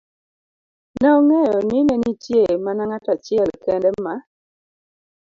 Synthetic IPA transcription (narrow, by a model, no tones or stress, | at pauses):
naŋɛjɔnɪnɛnitjemanaŋatat͡ʃɪɛlkɛndɛma